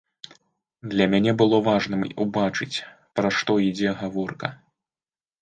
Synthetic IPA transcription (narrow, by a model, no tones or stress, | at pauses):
d̪lʲɐmʲanʲɛbɨlˠɔvaʐnɨmubat͡ʂɨt͡sʲ | pɾɐʂt̪ɔid͡zʲɛɣavɔrkɐ̰